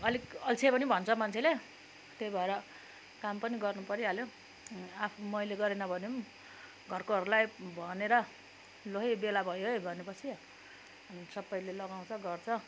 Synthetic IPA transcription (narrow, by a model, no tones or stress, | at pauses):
ʌlikʌlt͡sʰepʌnibʱʌnt͡sʰʌmant͡sʰele | t̪ejbʱʌeɾʌ | kampʌniɡʌrnupʌɾiɦaljo | apʰmʌjleɡʌɾenʌbʱʌnem | ɡʱʌrkoɦʌɾulajbʱʌneɾʌ | loɦebelabʱʌjobʱʌnepʌt͡sʰi | sʌbːʌjlelʌɡaw̃t͡sʰʌɡʌrt͡sʰʌ